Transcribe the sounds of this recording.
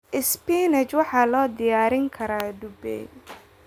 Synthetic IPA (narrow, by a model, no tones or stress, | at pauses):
ʔɪspiːnɛt͡ʃwɑħɑːlɔːd̪ɪjaːɾɪŋkʰɐɾaːɖ̪ʊbɛ̰